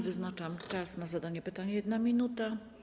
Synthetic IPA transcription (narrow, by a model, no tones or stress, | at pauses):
vɘznat͡ʂamt͡ʂasnazad̪aɲɛpɘt̪aɲɛjɛd̪namʲinut̪a